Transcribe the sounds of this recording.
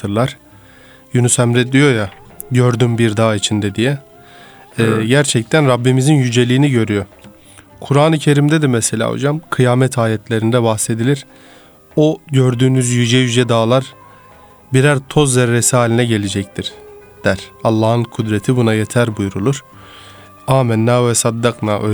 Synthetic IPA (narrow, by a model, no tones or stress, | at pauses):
ɯɾlˠaɾ̥ | junusæmɾɛd̪ijo̞ja | ɟøɾd̪ymbiɾd̪aːit͡ʃʰind̪ɛd̪ijɛ | ɟæɾt͡ʃʰɛc̚t̪ʰænɾabːimizinjyd͡ʒe̞lʲiːniɟø̞ɾyjo̞ | kʰuɾaːnɯcʰe̞ɾimd̪ɛd̪ɛmɛselʲa̰ːo̰d͡ʒamkʰɯjaːmɛt̪ʰaːjɛt̪ʰlʲe̞ɾind̪ɛbahse̞d̪ilʲiɾ | oɟøɾd̪yːnyzjyd͡ʒɛjyd͡ʒɛd̪aːlˠaɾ | biɾæɾt̪ʰo̞zːɛɾːesiaːlʲinɛɟe̞lʲed͡ʒɛct̪ʰiɾ̥ | d̪̥æɾ̥alˠːaːhɯnkʰud̪ɾet̪ʰibunajet̪ʰæɾbujɾulˠuɾ̥ | aːmɛnːaːɛsad̪ːaknaø